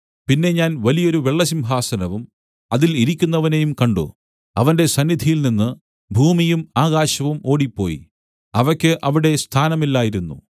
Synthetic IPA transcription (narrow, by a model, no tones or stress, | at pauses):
pinːe̞ɲaːnʋɐlijo̞ɾuʋeɭːɐs̬imbʱaːsɐnɐʋum | ɐðiliɾikʲːunːɐʋɐne̞jumkɐɳɖṵ | ɐʋɐnde̞sɐnːid̪ʱijilninːɨ | bʱuːmijumaːɣaːɕɐʋumo̞ːɽipːo̞ːjḭ | ɐʋɐkʲːɨʔɐʋiɽe̞st̪ʰaːnɐmilːaːjiɾunːṵ